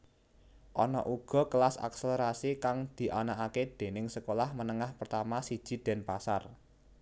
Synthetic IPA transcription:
ʔɔnɔ̰ʔuɡ̥ɔ̤kəlasa̰kseleɾasikaŋd̪̥i̤ʔanaʔaked̪̥e̤nɪŋsəkolahmənəŋahpərt̪amasid̥ʒ̥i̤d̪̥ɛ̤npasar

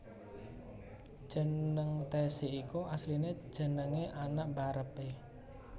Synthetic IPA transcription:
ʒ̥ə̤nəŋt̪ɛseʔikuʔasline̥ʒ̥ə̤nəŋeʔanaʔmbaɾəpe

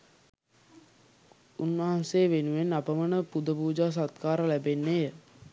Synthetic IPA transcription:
unʋəɦanseːʋenuʋenːapəmənəpud̪əpuːd͡ʒaːs̬at̪̚kaːɾəlæbenːejə

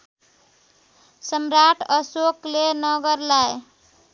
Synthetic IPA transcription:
səmɾaʈʰʌsoklenʌɡʌɾlaj

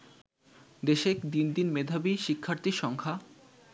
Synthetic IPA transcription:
d̪eʃekd̪ind̪inmed̪ʱabiʃikʰːaɾt̪iʃɔŋkʰa

